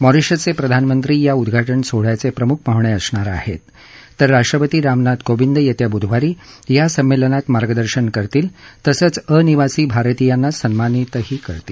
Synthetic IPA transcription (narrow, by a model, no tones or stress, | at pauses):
mɔɾiʂət͡sepɾəd̪ʱanmənt̪ɾiːjaud̪ɡʱaʈəɳsoɽ̤jat͡sepɾəmukʰmaɦʋɳeəsɳaɾa̰hḛt̪ː | əɾːaʂʈɾəpət̪iːɾamnat̪kobind̪əjət̪jabud̪ʱʋaɾiːjasəmːelənat̪maɾɡəd̪əɾɕəɳkəɾt̪iːlt̪əsət͡səniʋasiːbʱaɾt̪ijanːasənmanit̪əɦiːkəɾt̪iː